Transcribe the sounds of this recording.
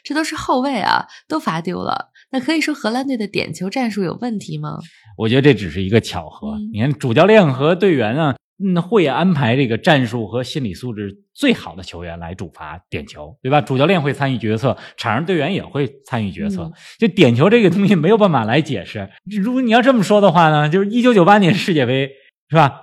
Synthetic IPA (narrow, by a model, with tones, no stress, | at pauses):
ʈ͡ʂɤ˥˩t̪o˥ʊʂ̬ɻ̩˧xo˥˧ʊwe˥˩ɪɐ̰˩t̪o˥ʊfa˧˥t̪jo˧˥ʊlə̰˩ | na˥˩kʰɤ˧˥i˨˩ʂwɔ˥xɤ˧˥la˥nt̪we˥˩ɪə˩t̪jɛ̰˨˩nt͡ɕʰjo˧˥ʊʈ͡ʂa˥˧nʂu˥˩jo̰˨˩ʊwə˥˩nt̪ʰi˧˥mɐ̰˧ | wɔ˨˩t͡ɕɥɛ˧˥də˧ʈ͡ʂʈ͡ʂɻ̩˨˩ʂɻ̩˥˩i˧˥ɡə˧t͡ɕʰjɑ̰˨˩ʊxɤ̰˧˥ni˨kʰa˥˩nʈ͡ʂu˨˩t͡ɕjɑ˥˧ʊljɛ˥˩nxɤ˧˥t̪̬we˥˩ɪɥɛ˧˥nə˧˥ | xwe˥˩ɪa˥npʰa˧˥ɪʈ͡ʂɤ˥˩ɡə˩ʈ͡ʂa˥˧nʂu˥˩xɤ˧˥ɕi˥nli˨˩su˥˧ʈ͡ʂɻ̩˥˩ | t͡swe˥˩ɪxɑ˨˩ʊd̪ə˦t͡ɕʰjo˧˥ʊɥɛ˧˥nla˧˥ɪʈ͡ʂu˨˩fa̰˧˥t̪jɛ̰˨˩nt͡ɕʰjo˧˥ʊt̪we˥˩a˨˩ʈ͡ʂu˨˩t͡ɕjɑ˥˧ʊljɛ˥˧nxwɪa˥ny˥˩t͡ɕɥɛ˧˥t͡sʰɤ˥˩ʈ͡ʂʰa˨˩n˧˥t̪we˥˩ɪɥɛ˧˥njɛ̰˨˩xwe˥˩ɪt͡sʰa˥ny˥˩t͡ɕɥɛ̰˧˥t͡sʰɤ̰˥˩t͡ɕjo˥˧ʊt̪jɛ˨˩nt͡ɕʰjo˧˥ʊʈ͡ʂɤ˥˩ɡə˩t̪ʊ˥ŋɕi˨˩me˧˥ɪjo˨˩ʊpa˥˩n˩fa˨˩la˧˥ɪt͡ɕjɛ̰˨˩ʂɻ̩˥˩ɻu˧˥ɡɔ˧˥˩ni˨˩jɑ˥˧ʊʈ͡ʂɤ˥˩mə˩ʂwɔ˥d̪ə˨˧xwa˥˩nə˩t͡ɕjo˥˧ʊʂɻ̩˥˧i˥t͡ɕjʊt͡ɕjo˨˩ʊpa˥njɛ˧˥nʂɻ̩˥˧t͡ɕjɛ˥˩pe˧˥ɪ | ʂ̩˥˩ba˨˩